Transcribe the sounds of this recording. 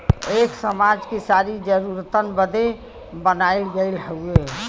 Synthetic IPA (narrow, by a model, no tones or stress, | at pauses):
eksəmad͡ʒkesaɾid͡ʒəɾuɾt̪ənbəd̪e | bənaɪlɡelɦəue